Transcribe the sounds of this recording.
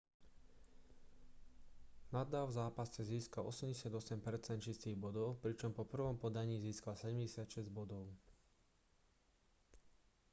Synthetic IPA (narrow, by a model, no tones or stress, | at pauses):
nad̪aːvzaːpasɛziːskalʔɔ̰sɛmɟɛsɪad̪ɔsɛmpɛɾt͡sɛnt̪t͡ʃist̪iːɣbɔd̪ɔʊpɾit͡ʃɔmpɔpr̩ʋɔmpɔd̪aɲiːziːskalsɛɟɛmɟɛsɪat̪ʃɛzɟbɔd̪ɔʊ